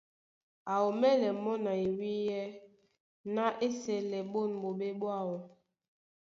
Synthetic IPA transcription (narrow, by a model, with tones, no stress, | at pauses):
a˨o˨mɛ˦lɛ˨mɔ˦na˨i˨wi˦jɛ˦ | na˦ʔe˦sɛ˨lɛ˨ɓo˦˨nɓo˨ɓe˦ɓwa˦˨wɔ˨